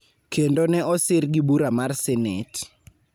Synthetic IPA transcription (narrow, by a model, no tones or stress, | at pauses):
kendonɛʔɔsɪrɡibuɾamarsɛnḛt